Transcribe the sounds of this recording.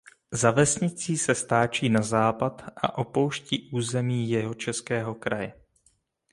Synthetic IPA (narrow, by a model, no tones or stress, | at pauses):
zavɛsɲɪt͡siːsɛst̪aːt͡ʃiːnazaːpat̪ʔa̰ʔo̞po̞wʃciːʔuːzɛmiːjɛɦo̞t͡ʃɛskɛːɦokɾajɛ